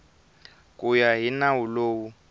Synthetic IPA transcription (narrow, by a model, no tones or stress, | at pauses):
kʼujaɦinawuloːwu